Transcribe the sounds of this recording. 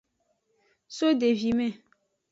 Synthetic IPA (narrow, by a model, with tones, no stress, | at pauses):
so˦de˨vi˨mɛ̃˦˨